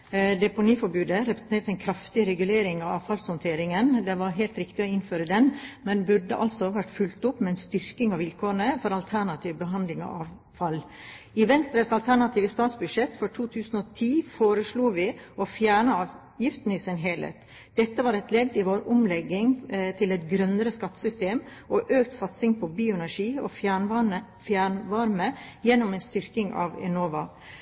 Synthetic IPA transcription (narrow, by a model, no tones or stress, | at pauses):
d̪ɛpʊniːfɔbʉːd̪əɾɛpɾə̥s̩n̩t̪ʰeːɾʈəɛɪnkʰɾɑft̪ɪɾɛɡʉleːɾɪŋɑɑ̰ʋfɑlshɔnt̪ʰeːɾɪŋənd̪ɛʋɑɾɦɛlt̪ɾɪkt̪ɪɔɪnføːɾəd̪ɛnmɛnbʉɖə̰ʔɑlsɔʋæʈːfʉlt̪ʊpːmɛnst̪ʏɾkɪŋɑʋʋɪlkʰoːɾəɳəfɔɾɑlt̪ʰæɳɑt̪ʰiːʋbəɦɑnd̪lɪŋɑ̰ɑʋ | fɑlː | ɪʋɛnst̪ɾəsɑlt̪ʰæɳɑt̪ʰiːʋəst̪ɑːt̪sbʉd̪ʂɛt̪fɔʈʰuːt̪ʰʉːsn̩ot̪ʰiːfoːɾəsluːʋɪʔɔfjæːɳəɑːʋ | jɪft̪n̩ɪsɪnɦɛːlḛːt̪ | d̪̥ɛt̪ːəʋɑːɾɛt̪lɛd̪ːɪʋoːɾʊmlɛɡːɪŋt̪ʰɪlɛt̪ɡɾœnːəɾəskɑt̪ːə̥sʏst̪eːmʔɔʔøːkt̪sɑt̪sɪŋpʰɔbiːʊɛnæʂiːɔ̰fjæɳ | fjæɳʋɑɾməjɛnːʊmɛɪnst̪ʏɾkɪŋɑ̰ʋɛ̰noːʋɑ